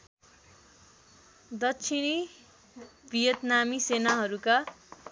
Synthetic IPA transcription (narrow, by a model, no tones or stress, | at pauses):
d̪ʌsʰini | bʱijʌt̪namisenaɦʌɾuka